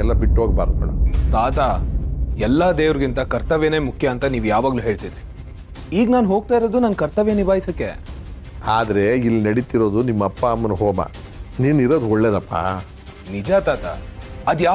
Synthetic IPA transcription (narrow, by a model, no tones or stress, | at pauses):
ɛlːɐbiʈːɦoːɡ̚baːɾd̪umɐɽɐ̰t̪aːt̪a | ɛlːaːd̪eːʋɾɡint̪ɐkɐɾt̪ɐʋjɐne̞ːmukʰjɐːnt̪ɐniːʋujaːʋaːɡluːɦe̞ːɭt̪id̪ɾi | iːɡnaːnɦo̞ːɡ̚t̪aːiɾoːd̪unɐnkɐɾt̪ɐʋjɐnibaːjisɐkːḛ | aːd̪ɐɾe̞ilːinɐɽit̪iɾo̞ːd̪unimːɐpːaːmːɐnuɦoːma̰niːniɾo̞ːd̪uɔɭːeːd̪ɐpːa̰ | nid͡ʒaːt̪aːt̪a̰ɐd̪ja